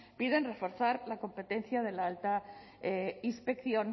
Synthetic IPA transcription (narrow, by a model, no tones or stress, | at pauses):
piðe̞nre̞fo̞ɾθaɾlako̞mpe̞t̪e̞nθjað̞e̞laalt̪a | inspe̞kθjo̞n